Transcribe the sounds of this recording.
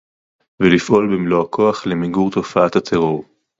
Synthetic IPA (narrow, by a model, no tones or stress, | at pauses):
velifʔo̞lbemloakʰo̞aχlemiɡuʁt̪o̞faat̪at̪ʰeʁo̞ʁ